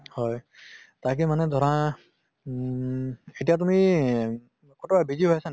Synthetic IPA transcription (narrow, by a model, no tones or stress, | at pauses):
hɔj | tak̬imanɛd̪ʱɔɹã | etijat̬umi | kotɔbabizibʱɔjasan